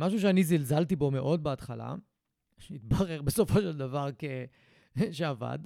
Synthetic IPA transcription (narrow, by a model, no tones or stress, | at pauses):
maʃ̬uʃ̬eanizilzalt̪ibo̞me̞ʔo̞d̪̚beat̪χala̰ | ʃit̪baʁe̞ʁbe̞so̞fo̞ʃeld̪avaʁke | ʃeava̰d̪